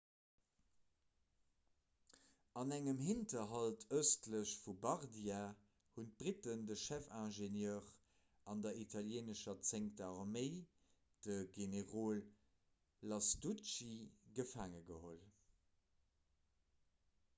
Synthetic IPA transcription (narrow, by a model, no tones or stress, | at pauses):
ɑnæŋəmhintɐɦɑltʰəʊstləɕfubɑʁdia | hunt̚b̥ʁitəndəʃæfæ̃ːʒenjœːʁ | ɑndɐitʰɑljeːnəʃɐt͡seŋktɑʁmeɪ | d̥əɡeneʁoːlː | ɑsdut͡ʃiɡəfaːŋəɡəhol